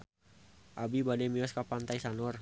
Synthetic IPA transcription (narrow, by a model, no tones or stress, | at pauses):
ʔabibadɛmiɔskapant̪aisanɔr